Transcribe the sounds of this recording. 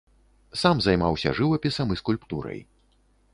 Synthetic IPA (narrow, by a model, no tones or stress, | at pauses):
samzɐjmawsʲɐ̰ʐɨvɐpʲisɐmiskulʲpt̪uɾɐ̰j